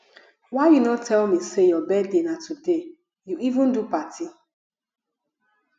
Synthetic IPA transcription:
waɪjunɔtʰɛlmisejɔbɛdenatude | juivũndupatʰi

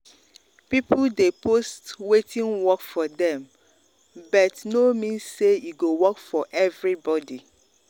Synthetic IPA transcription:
pipdepostwetʰĩnwɔkfɔdɛ̃m | bʌtnomĩnsːejuɡowɔkfɔʔɛvɹibɔdi

